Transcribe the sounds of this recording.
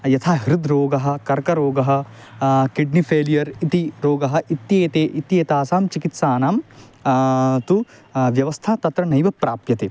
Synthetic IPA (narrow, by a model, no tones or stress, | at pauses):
jɐt̪ʰaːɦiɾud̪ʱɾoːɡɐɦɐ̆kɐɾkɐɾoːɡɐɦɐ̆ | kiɖnipʰeːlijɐɾit̪iɾoːɡɐɦɐ̆ʔit̪jeːt̪eːʔit̪jeːt̪aːsaːmt͡ʃikit̪saːnaːm | t̪uʋjɐʋɐst̪ʰaːt̪ɐt̪ɾɐnɐjʋɐpɾaːpjɐt̪eː